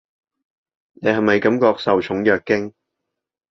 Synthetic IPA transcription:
ne˨˧ɦɐ˨˩mɐ˨jkɐ˨˥mkɔː˧k̚sɐ˨wt͡ʃʰʊ˨˥ŋjœː˨kːɪ˥ŋ

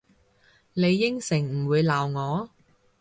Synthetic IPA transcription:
ne˨˧jːɪ˥ŋsɪ˨˩ŋm̩˨˩wuː˨˧jlaː˨˩wŋɔː˨˧

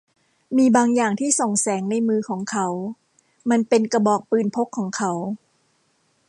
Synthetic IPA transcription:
miː˧baː˧ŋjaː˨˩ŋt̪ʰiː˥˩so˨˩ŋsɛː˩˦ŋna˧jmɯː˧kʰɔː˩˦ŋkʰa˦˥w | ma˧npe˧nka˧bɔː˨˩k̚pɯː˨˩npʰo˦˥kʰːɔː˩˦ŋkʰa˦˥w

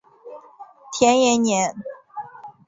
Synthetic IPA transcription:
t̪ʰjɛ˧˥njɛ˧˥nnjɛ˧˥n

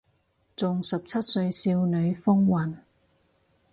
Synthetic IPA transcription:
t͡sʊ˨ŋsɐ˨p̚t͡sʰɐ˥t̚sɵ˧ɥsiː˧wnɵ˨˧ɥfʊ˥ŋwɐ˨˩n

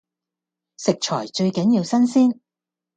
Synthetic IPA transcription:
sɪ˨k̚t͡ʃʰɔː˨˩jt͡ʃɵ˧ɥkɐ˨˥njiː˧wsɐ˥nsiː˥n

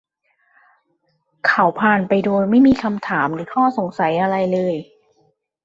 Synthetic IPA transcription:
kʰa˩˦wpʰaː˨˩npa˧jduː˧ma˥˩jmiː˧kʰa˧mt̪ʰaː˩˦mɾɯː˩˦kʰɔː˥˩so˩˦ŋsa˨˩˦jʔa˧ɾa˧jlɤː˧j

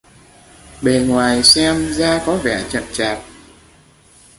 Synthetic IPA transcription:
ɓe˨˩ŋwaː˨˩jsɛ˧mzaː˧kɔ˨˦vɛ˧˩t͡ɕə̰˧˨nt͡ɕaː˨˩t̚

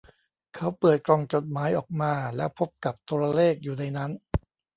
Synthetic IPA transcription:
kʰa˦˥wpɯ˨˩ət̪̚klɔː˧ŋt͡ɕo˨˩t̪̚maː˦˥jʔɔː˨˩k̚maː˧lɛː˦˥wpʰo˦˥p̚ka˨˩p̚t̪ʰu˧ɾa˧leː˥˩k̚juː˨˩na˧jna˦˥n

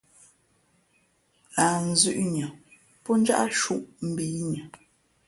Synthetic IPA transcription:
aː˨n̩˨zʉ˦ʔɲə˨ | pɔ˦n̩˦d͡ʒa˦ʔa˦ʃu˦˨ʔm̩˦˨bi˨˦ɲə˨

